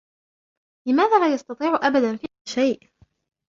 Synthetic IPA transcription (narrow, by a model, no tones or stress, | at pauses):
lɪmaːðaːlaːjɑst̪ɑt̪ˤiːʕʊʔabad̪anfi | ʃajʔ